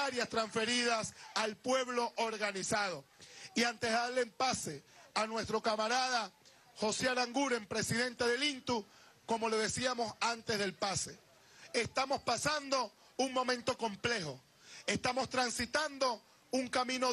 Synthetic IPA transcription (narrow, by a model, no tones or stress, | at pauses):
aɾjast̪ɾaɱsfe̞ɾiðasalpwe̞βlo̞ʔoɾɣanisaðo̞iant̪e̞zaɾlempase̞anwe̞st̪ɾo̞kamaɾaða | ho̞seaɾaŋɡuɾe̞mpɾe̞siðẽ̞nt̪e̞ðe̞lint̪u | ko̞mo̞le̞ðe̞siamo̞sant̪e̞zðe̞lpase̞ | est̪amo̞spasand̪o̞ | uŋmõ̞mẽnt̪oko̞mple̞ho̞ | e̞st̪amo̞st̪ɾansit̪and̪o̞ | uŋkamĩno